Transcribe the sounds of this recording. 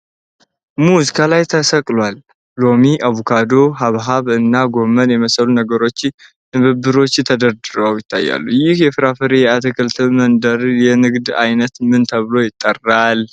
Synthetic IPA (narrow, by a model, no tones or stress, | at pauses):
muzikʰalajt̪ʰəsəkʼlwal | lo̞miʔaβukʰad̪o̞ɦaβɦaβɨnːaɡo̞mənjɛməsəlunəɡəɾo̞t͡ʃːɪ | t̪ɨβɨbːɨɾo̞t͡ʃːt̪ʰəd̪əɾd̪ɨɾəwjɪt̪ʰːa̰jːa̰lːujɪhjɛfɨɾafəɾejat̪ʰəkʰəlt̪ʰɨmənd̪əɾjɛnɨɡd̪a̰jnət̪mɨnt̪ʰəβɨlo̞jɪt̪ʼːərːal